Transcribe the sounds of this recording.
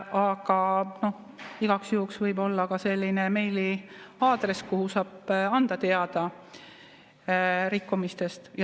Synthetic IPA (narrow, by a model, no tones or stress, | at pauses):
ɑɡ̥ɑno̞h | iɡ̥ɑksjuːksvɤjbo̞lːɑkɑse̞lʲːineme̞jliɑːd̪̥re̞skuhusɑːb̥ɑnd̪̥ɑt̪e̞ɑd̪̥ɑ | ɾikːumist̪e̞st̪j